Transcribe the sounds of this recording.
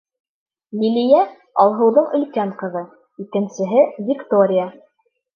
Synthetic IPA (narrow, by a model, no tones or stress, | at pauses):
lʲilʲijæ | ɑlˠɦɤ̆wðɤɴɵ̆lkæɴqɤ̆ðɤ | ikɘ̆nsɘ̆ɦɘvʲɪkt̪oɾʲɪja